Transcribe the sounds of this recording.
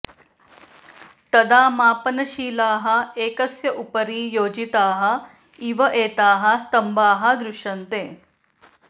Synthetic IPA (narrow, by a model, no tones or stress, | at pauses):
t̪əd̪aːmaːpənɐɕiːlaːɦɐeːkəsjɐʔupəɾiːjoːd͡ʑit̪aːɦɐ | iʋɐʔeːt̪aːɦɐst̪əmbaːɦɐd̪ɾuʂənt̪eː